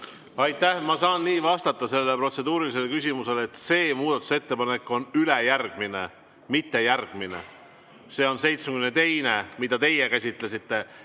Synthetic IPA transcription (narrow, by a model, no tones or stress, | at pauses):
ɑjt̪ːˑæhmɑsɑːnniːvɑst̪ɑt̪ːˑɑse̞lːelepro̞t̪se̞d̪uːɾilis̬e̞lkysʲimuse̞let̪se̞ːmuːd̪̥ɑt̪ːˑu̥se̞t̪ːe̞pɑne̞kːˑo̞nylejærɡ̥mine̞̰ | mit̪ːe̞jærɡ̥minḛ | se̞ːo̞nse̞jt̪smeɡymnet̪e̞jne̞mid̪̥ɑt̪e̞jekæs̬ʲit̪ˑle̞sit̪ːe̞